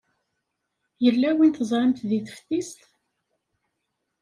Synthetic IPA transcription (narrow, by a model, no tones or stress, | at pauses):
jəlːæwint̪əzˤɾəmt̪ðiθə̥fθist̪